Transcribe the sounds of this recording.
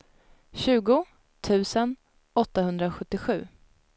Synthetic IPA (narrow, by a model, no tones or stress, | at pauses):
ɕʉ̟ːɡʊ | t̪ʰʉ̟ːsən | ɔt̪ːahɵnd̪ɾaɧɵt̪ːɪɧʉ̟ː